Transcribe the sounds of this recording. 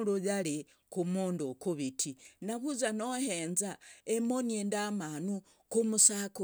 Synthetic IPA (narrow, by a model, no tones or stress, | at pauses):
lujali | kumondokuβitʰinaβuzanoheːnzaemonendamanu | kumusaku